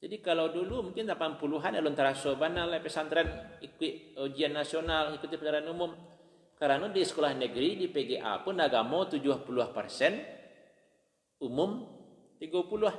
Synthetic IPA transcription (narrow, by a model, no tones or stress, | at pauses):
d͡ʒadikalawdulumuŋkɪnlapanpuluɦanalɔnt̪aɾasobanalapɛsant̪ɾɛnikɪʔod͡ʒianːasionalikut̪ipənaɾaanumʊm | kaɾanadisə̥kolahnəɡɾidipeɡeʔa̰pʊnaɡamot̪ud͡ʒuahpuluahpərsɛn | umʊm | t̪iɡapuluah